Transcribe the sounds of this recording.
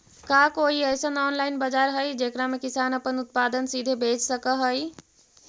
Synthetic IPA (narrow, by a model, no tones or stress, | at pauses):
kakoɦiəjsənɔnlaɪinbəd͡ʒaɾɦəjd͡ʒekɾamekisanəpənut̪̚pad̪ənsid̪ʱebʱet͡ʃsəkəɦəj